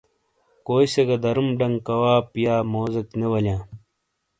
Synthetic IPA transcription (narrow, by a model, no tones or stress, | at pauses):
koːiseɡɐd̪ɐɾumɖɐŋɡkɐwaːpijaːmoːzɐknewɐljãː